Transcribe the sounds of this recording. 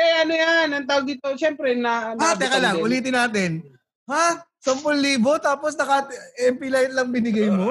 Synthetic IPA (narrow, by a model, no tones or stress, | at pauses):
ɛʔɐnojanɐŋt̪aːwoɡ̪̚it̪oʃɛmpɾɛnɐat̪ɛkɐlaŋʔʊliːt̪̬ɪnːaːt̪ɪn | ha | sɐmpolliːbo̞t̪aːposd̪ɐkɐɛmpɪlajt̪̚lɐŋbɪnɪɡɐjmo̞